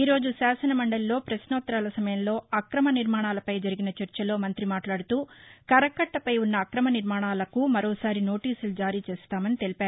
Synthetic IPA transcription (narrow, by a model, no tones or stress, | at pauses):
iːɾo̞ːd͡ʒusaːsɐnɐmɐɳɖɐlːo̞ːpɾɐsnɔːt̪ɾaːlɐsɐmɐjɐmlo̞ːɐkɾɐmɐniɾmaːɳaːlɐpɐjd͡ʒɐɾiɡinɐt͡ʃɐɾt͡ʃɐlo̞ːmɐnt̪ɾimaːʈlaːɽut̪uːkɐɾɐkɐʈːɐpɐjunːɐːkɾɐmɐniɾmaːɳaːlɐkumɐɾoːsaːɾino̞ːʈiːsulud͡ʒaːɾiːt͡ʃeːst̪aːmɐnit̪e̞lipaːɾu